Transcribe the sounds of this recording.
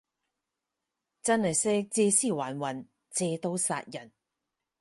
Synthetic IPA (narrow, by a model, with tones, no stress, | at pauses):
t͡sɐ˥nhɐ˨jsɛː˥t͡sɛː˧siː˥waː˨˩nwɐ˨˩n | t͡sɛː˧t̪o˧˥wsa̰ː˧t̚jɐ˨˩n